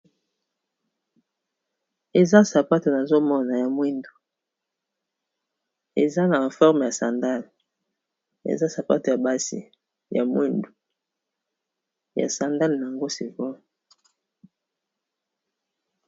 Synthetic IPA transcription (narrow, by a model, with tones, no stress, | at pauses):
e˨za˦sa˨pa˦to˨na˨zo˦mɔ˦na˨ja˨mwe˦ndo˨ | ḛ˨za˦na˨a˨fɔ˦ʁm˨ja˨sa˨nda˦l | ḛ˨za˦sa˨pa˦to˨ja˨ba˦sḭ˨ | ja̰˨mwe˦ndu˨ | ja̰˨sa˨nda˦ln˨a˨ŋɡo˦si˨vɔ˦m˨